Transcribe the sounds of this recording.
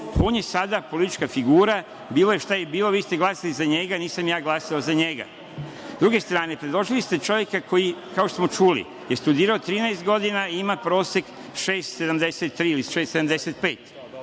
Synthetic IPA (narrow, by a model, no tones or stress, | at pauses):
po̞ːɲesad̪apo̞lit̪it͡ʃkafiɡuːɾa | biːlˠo̞jeʃt̪ajebiːlˠo̞ʋiːst̪eɡlˠaːsalizaɲe̞ɡaniːsamjaːɡlˠaːsaozaɲe̞ɡa̰ | zd̪ɾuɡe̞st̪ɾaːne̞pɾed̪lo̞ʒilist̪e̞t͡ʃo̞ʋje̞kakʰo̞jikaoʃt̪osmo̞t͡ʃuːlḭ | jest̪ud̪iːɾaot̪ɾiːnaest̪ɡo̞d̪inaimapɾo̞ːsek | ʃeːst̪se̞d̪amd̪e̞set̪ːɾiːiliʃest̪seamd̪e̞set̪̚pe̞ːt̪